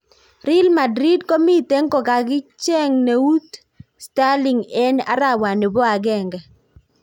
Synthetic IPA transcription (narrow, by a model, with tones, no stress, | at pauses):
ɾɪ˦lma˨dɾi˦d̚ko˦mi˦te˨˦ŋkɔ˨ka˨ɡɪ˦t͡ʃɛ˦ŋne˨u˦t̪ | sta˦li˨ŋɛ˦na̰˦ɾa˦wa˨nɪ˨bɔ˦a˨ɡɛ˦˨ŋɡɛ˨